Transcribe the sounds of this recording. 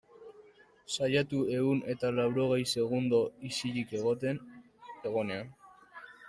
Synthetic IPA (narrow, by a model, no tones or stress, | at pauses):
sajat̪ue̞une̞t̪alawɾo̞ɣ̞e̞jse̞ɣund̪o̞isiʎike̞ɣ̞o̞t̪e̞n | e̞ɣo̞ne̞an